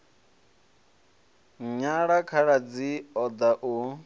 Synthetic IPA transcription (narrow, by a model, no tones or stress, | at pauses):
ɲaɺakʰaɺad͡ziɔd̪aʔu